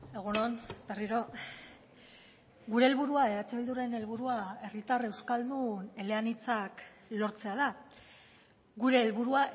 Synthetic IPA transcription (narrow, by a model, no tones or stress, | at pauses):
e̞ɣ̞unonbe̞riɾo̞ | ɡuɾe̞ːlβuɾuaeɾat͡seβild̪uɾe̞ne̞lβuɾuae̞rit̪are̞wskald̪une̞le̞anit͡sak | lo̞ɾt͡se̞að̞a | ɣuɾe̞ːlβuɾua